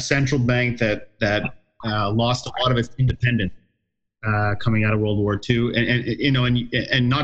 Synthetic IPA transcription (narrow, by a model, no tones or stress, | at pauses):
sɛ̃nt͡ʃɹ̥l̩ˠbæ̃ŋk̚ðɨt̪̚ðɨt̚ | lɔstəlɔɾʌvɨtsɪ̃ndɨpʰɛ̃ndɨ̃nts | kʰʌmɪ̃ŋaʊɾʌwɜ˞lˠd̚wɔɹtʰʉɨ̃ɨ̃njɨnoʊɨ̃nɨ̃nːə